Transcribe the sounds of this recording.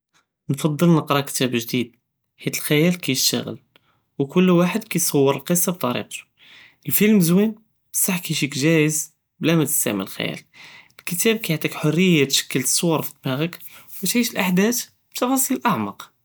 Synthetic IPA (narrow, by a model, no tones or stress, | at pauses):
nfɑd̪ˤːəlnəqɾˤɑkt̪æbʒd̪id̪̚ | ħit̪əlxæjælkæjəʃt̪ə̰ɣə̰l | wkʊlːwaħəd̪kæjsˤɑwːəɾəlqəsˤːɑb̚t̪ˤɑɾḭq̚t̪u̥ | ʔəlfilmzwin | bəsˤːɑħkiʃikʒæjəz | blæmæt̪ə̥st̪æ̰ʕmə̰ləlxæ̰jæ̰llkət̪æb̚kæjaʕt̪ˤikħorːəjːat̪ʃæ̥kːəlt̪ə̥sˤːowɑɾˤfi̥t̪ːmæɣək | wət̪ʕiʃəlʔaħd̪æt̪ | b̥t̪ɑfɑsˤiləlʔɑʕmɑq